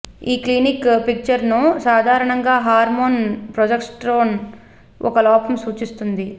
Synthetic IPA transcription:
iːklinikpik̚t͡ʃɐɾnusaːd̪ʱaːɾɐɳɐŋɡaːɦaːɾmoːnpɾɔd͡ʒɐkʈsʈɾoːn | ʔɔ̰kɐlɔːpɐmsuːt͡ʃist̪und̪i

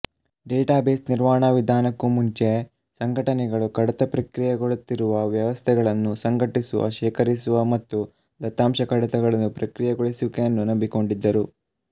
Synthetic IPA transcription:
ɖeːʈaːbeːsniɾʋaːɳaʋid̪ʱaːnɐkːumuɲt͡ʃe | sɐŋɡʱɐʈɐnɛɡɐɭukɐɽɐt̪ɐpɾɐkɾijɐɡoɭut̪ːiɾuʋɐʋjɐʋɐst̪ʰɛɡɐɭɐnːusɐŋɡʱɐʈisuʋɐ̰ʃɛːkɐɾisuʋɐmɐt̪ːu | d̪ɐt̪ːaːmʃɐkɐɽɐt̪ɐɡɐɭɐnːupɾɐkɾijɐɡoɭisukejɐnːunɐmbiko̞ɳɖid̪ːɐɾu

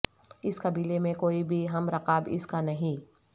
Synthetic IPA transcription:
ɪskɐbiːlemẽkoːibʱiɦɐmɾɐqaːbɪ̰skanɐɦĩ

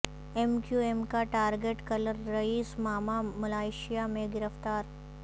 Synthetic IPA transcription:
ɛmkjuemkaʈaːɾɡeːʈkɐləɾːɐiːsmaːmamɐlaːɪʃijamẽɡɪɾəft̪aːɾ

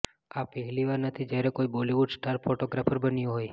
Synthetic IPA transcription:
apəɦɛliʋaɾnət̪ʰid͡ʒjaɾekoiboliʋuɖsʈaɾpʰoʈoɡɾapəɾbənjũɦoj

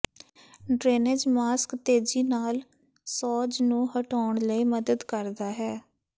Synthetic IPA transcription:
ɖɾeːnɪd͡ʒmaːskt̪eːd͡ʒiːnaːl | sɔːd͡ʒnũːɦəʈaːɳləiːməd̪əd̪kəɾd̪aːɦɛː

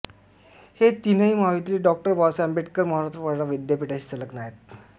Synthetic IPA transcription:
het̪inəimaʋit̪iliɖɔk̚ʈəɾbɔsɛmbeʈkəɾməɦaɾast̪ɾəpəɾɽaʋid̪japiʈaɕi̥ːt͡sələknajet̪̚

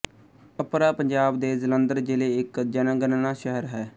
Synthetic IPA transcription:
əpɾaːpəɲd͡ʒaːbd̪eːzələ̃nd̪əɾd͡ʒɪleːɪkd͡ʒənãːɡənnãːʃəɦəɾɦɛː

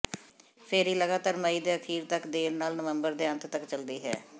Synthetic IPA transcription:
pʰɪɾiːləɡaːt̪aːɾməiːd̪eːəkʰiːɾt̪əkd̪eːɾnaːlnəʋə̃mbəɾd̪eːə̃nt̪t̪əkt͡ʃəld̪iːɦɛ̰ː

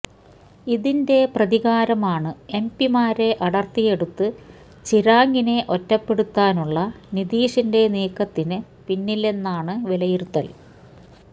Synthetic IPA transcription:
iðinde̞prɐðiɣaːɾɐmaːɳɨe̞mpimaːɾe̞ʔɐɽɐrt̪ːije̞ɽut̪ːɨ | t͡ɕiɾaːŋɡine̞ʔo̞tːɐpːe̞ɽut̪ːaːnuɭːɐniðiːʂinde̞niːkːɐt̪ːinɨ | pinːile̞nːaːɳɨʋilɐjirut̪ːɐl

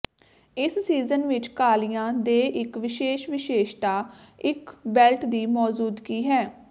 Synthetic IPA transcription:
ɪssiːzənʋɪt͡ʃkaːlijãːd̪eːʔɪkʋɪʃeːʃʋɪʃeːʃt̪aːɪkbɛlʈd̪iːmɔːzuːd̪kiːɦɛː

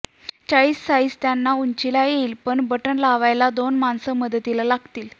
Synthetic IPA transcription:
t͡ɕaɭiːsːaɭiːst̪janːauɲt͡ɕilajeiːlpəɳbəʈəɳlaʋajlad̪onmansəməd̪ət̪ilalaɡt̪iːl

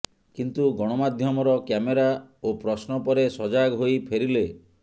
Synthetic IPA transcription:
kint̪uɡɔɽ̃ɔmad̪ʱjɔmɔɾɔkjameɾaopɾɔsnɔpɔɾesɔd͡ʒaɡɦojpʰeɾile

